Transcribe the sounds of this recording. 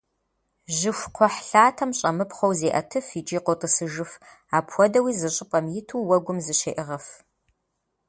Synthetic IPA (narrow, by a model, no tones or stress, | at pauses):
ʒɪxʷqʷʰɔħɬaːtʰɐmɕʼɐmɨpχʷowzeːʔɐtʰɨfit͡ʃʼiːqʷɔtʼɨsɨʒɨf | aːpʰwɔdɐwiːzɨɕʼɪpʼɐmjɪtʰuːwɐɡʷʊmzɨɕeːʔɪʁɐf